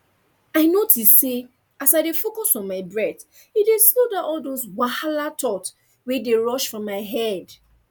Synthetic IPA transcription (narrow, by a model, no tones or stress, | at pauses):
aɪnotisse | asaɪdefokɔsɔ̃nmaɪbɹɛθ | ideslodaɔldoswahalatʰɔt | wideɹɔʃfɹɔ̃mːaɪɦɛd